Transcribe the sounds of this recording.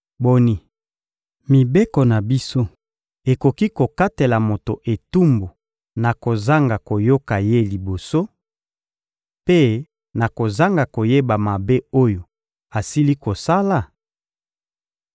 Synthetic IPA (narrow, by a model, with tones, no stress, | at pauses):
bo˦ni˦ | mi˨be˦ko˨na˨bi˦so˦ | e˨ko˨ki˦ko˨ka˦te˨la˨mo˨to˨ʔe˨tu˦mbo˨ | na˨ko˨za˦ŋɡa˨ko˨jo˦ka˨je˦li˨bo˨so˦ | pe˦ | na˨ko˨za˦ŋɡa˨ko˨je˦ba˨ma˨be˦o˦jo˨ | a˨si˦li˦ko˨sa˦la˨